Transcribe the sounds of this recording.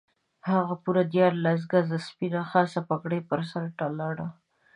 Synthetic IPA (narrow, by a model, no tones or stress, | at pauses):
haɣapuɾad̪jɑɾlas̬ɡazaspinaxɑsapakɽepəɾsaɾʈalɑɽa